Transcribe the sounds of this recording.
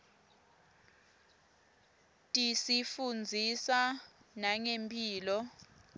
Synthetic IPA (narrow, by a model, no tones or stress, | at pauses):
tʼisifund͡zʱisanaŋempʰʼiːlɔ